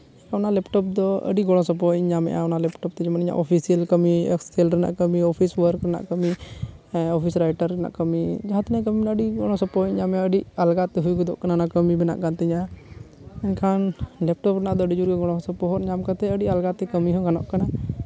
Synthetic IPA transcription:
ɛɲkʰaɔnalɛpʈɔp̚d̪ɔə̰ɖiɡɔɽ̃ɔ̃sɔp̬ɔɲamɛ̰ʔa̰ɔnalɛpʈɔp̚t̪ɛd͡ʒɔmaniɲa̰ʔɔpʰisijəlkəmiɛksɛlɾɛna̰ʔkəmiɔpʰiswəɾkɾɛna̰ʔkəmi | ɔpʰisɾajʈəɾɾɛna̰ʔkəmid͡ʒaɦãt̪inak̬əmibɛnaəɖiɡɔɽ̃ɔ̃sɔpɔɲamaəɖiʔalɡat̪ɛɦujɡɔd̪ɔʔkananakəmibɛna̰ʔɡant̪ɛɲa | ɛɲkʰanlɛp̚ʈɔpɾɛnaʔd̪ɔəɖid͡ʒuɾkɛɡɔɽ̃ɔ̃sɔpɔɦɔt̪ɲamkat̪ɛəɖiʔalɡat̪ɛkəmiɦɔɡanɔ̰ʔkana

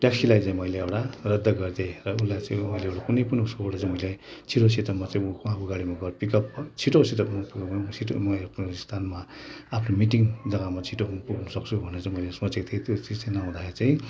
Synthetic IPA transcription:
ʈjaksilajt͡sãĩmʌjleewʈarʌd̪ːʌɡʌrd̪erʌunlajt͡sãĩmʌjleewʈakunʌjpunosooɽat͡sãĩmʌilajt͡sʰiʈosit̪ʌmat͡saĩuakʰuɡaɽimaɡʌrpikʌpt͡sʰiʈosit̪ʌpmapikʌpsʰiʈmʌpunst̪ʰanmaapʰnomiʈ̬iŋd͡zʌɡamat͡sʰiʈopuɡnusʌkt͡sʰubʱʌneɾt͡sãĩmʌjlesmʌt͡sek̚t̪ʰiet̪jot͡sid͡zt͡sanaũd̪axet͡saĩ

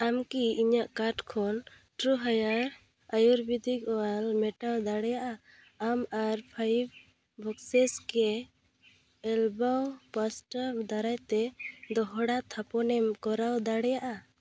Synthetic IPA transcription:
amkiiɲaʔkaʈkʰɔn | ʈɾuɦajaɾ | ajuɾbid̪ʱikɔalmɛʈawd̪aɽɛjaʔa | amaɾpʰajb | bɔksɛskɛ | ɛlbawpasʈamd̪aɾajt̪ɛd̪ɔɦɽat̪ʰapɔnɛmkɔɾawd̪aɽɛjaʔa

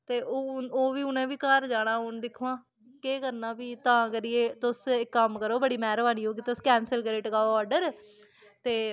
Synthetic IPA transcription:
t̪eːʔooːʋiːʊnẽːʋiːkəɾd͡ʒaːɽaːɦʊnd̪ɪkʰoãː | keːkəɾnãːbiːt̪ãːkəɾiːeːt̪ʊsɪkːəmkəɾoːbəɽiːmɛːɾbaːnĩːɦoːɡit̪ʊskɛːnsəlkəɾeːʈɡaːoɔːɾɖəɾ | t̪eː

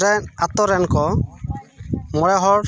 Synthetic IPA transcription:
ɛnat̪ɔɾɛnkɔ | mɔɽɛɦɔ

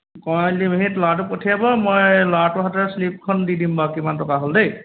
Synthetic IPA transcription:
kɔjlimeɦitlat̬ʊpɔtʰijabɔmɔjlatʊɦatɔslip̚kʰɔndidimbakimantɔkaɦoldej

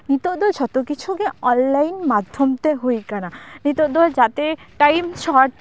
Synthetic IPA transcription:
nit̪od̪ɔld͡ʑɔt̪okit͡ɕʰukeɔnlajnmad̪ʱːomt̪eɦojkananit̪od̪ɔld͡ʑat̪eʈajmʃɔɾʈ

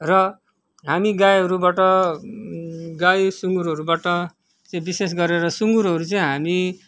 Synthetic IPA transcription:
rʌ | ɦamiɡajʌɾubaʈʌ | ɡajsuŋɡuɾɦʌɾubaʈʌ | t͡saĩbises̬ɡʌɾeɾʌsuŋɡuɾɦʌɾut͡saĩɦami

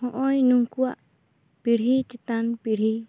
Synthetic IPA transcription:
hɔʔɔjnuŋkuaʔ | piɽɦit͡ʃit̪anpiɽɦi

